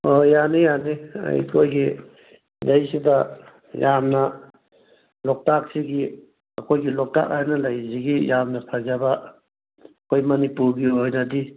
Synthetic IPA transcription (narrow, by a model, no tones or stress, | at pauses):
ojanijania̰jkʰojɡi | lajsidɐ | jamnɐ | lɔk̚tak̚siɡi | ɐkʰojɡilɔk̚ta̰k̚hajnɐlajsiɡijamnɐpʰazaba | kʰojmɐnipuɾɡiojnɐdi